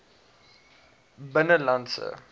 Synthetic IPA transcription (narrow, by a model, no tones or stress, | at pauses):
bənəlansə̰